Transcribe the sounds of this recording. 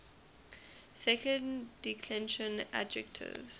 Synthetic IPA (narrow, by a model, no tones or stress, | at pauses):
sɛkə̃nd̥ikʰlɛ̃nʃə̃na̰d͡ʒɛk̚tʰɪ̰vz̥